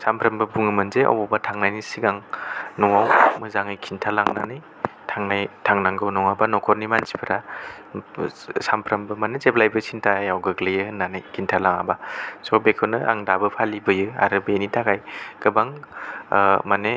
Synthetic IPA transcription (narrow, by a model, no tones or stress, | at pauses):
sampʰɾɐmbɯbuŋɯmɯnzea̰wɔbatʰaŋnajnisiɡaŋnɔŋawmɯzaŋɯjkʰintʰalaŋnanɯj | tʰaŋnajtʰaŋnaŋɡɯwnɔŋabanɔkʰɔɾnimanzi̥pʰɯɾa | sampʰɾambɯmanezeplajbɯsintʰajawɡɯɡlɯjɯhɯnːanɯjkʰintʰalaŋa̰basɔbekʰɯnɯʔa̰ŋdabɯpʰalibɯjɯa̰ɾɯbenitʰakajkɯbaŋ | mane